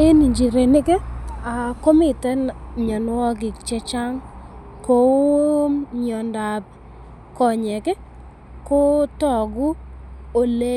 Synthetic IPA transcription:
e˦ni˨ɲd͡ʒi˨ɾe˨nɪ˦ke˦a˨ko˦mi˨tɛ˦nɲɔ˨n˦ɔ˦ɡɪ˨kt͡ʃɛ˦t͡ʃa˦ŋ | ko˨˦ɲɔ˨nda˨p | kɔ˨ɲɛ˨ke˦ | ko˦tɔ˨ɡʊ˦o˨le˦

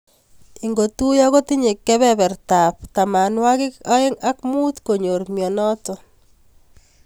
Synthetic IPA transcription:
i˨ŋɡo˨t̪u˦jɔ˦kɔ˦t̪i˦ɲe˨kːɛ˦βɛ˦βɛ˨ɾt̪a˨pt̪a˨ma˨nwa˦ɣɪ˦kɔ˦ɪ˦ŋa˦kmu˦t̪ko˨ɲo˨ɾmjɔ˨nɔ˦tɔ˨

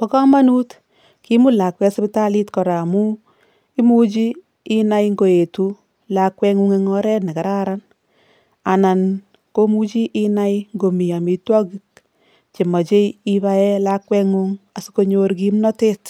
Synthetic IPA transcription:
pɔ˦kɔ˦ma˦nu˦t | ki˦mu˦la˨kwɛ˧spi˦ta˦li˦tkɔ˨ɾa˨mu˦ | i˦mu˦t͡ʃiː˦ | na˦jŋɡo˨e˨tu˦ | lakwɛ˧ŋu˦ŋe˧ŋɔ˦ɾɛ˦tne˨ka˨ɾa˦ɾan | a˨na˨n | ko˦mu˦t͡ʃi˦ʔi˦na˦jŋɡo˨mi˨a˨mi˨twɔ˦ki˦k̚ | t͡ʃi˨mɔ˨t͡ʃe˦i˦ba˦ɛ˦la˦kwɛ˦ŋu˦ŋa˨suko˧ɲoɾki˦mnɔ˦teː˦t

